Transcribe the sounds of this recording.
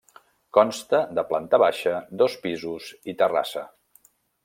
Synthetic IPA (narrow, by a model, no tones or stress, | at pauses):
kɔnst̪əðəplant̪əβaʃəd̪ɔspizuzit̪əra̰sə